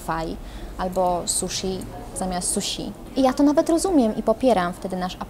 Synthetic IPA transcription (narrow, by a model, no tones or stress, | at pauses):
faj | ʔalbɔsuʂi | zamʲjast̪ːsuɕḭ | ʔijat̪ɔnavɛt̪ɾɔzumʲjɛmʔipɔpʲjɛɾamft̪ɛd̪ɘnaʂap